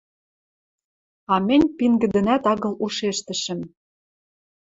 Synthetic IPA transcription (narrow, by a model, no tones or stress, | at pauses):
ɑmɘ̆nʲpiŋɡɘ̆d̪ɘ̆næt̪ɑɣɤ̆luʃeʃt̪ə̆ʃə̆m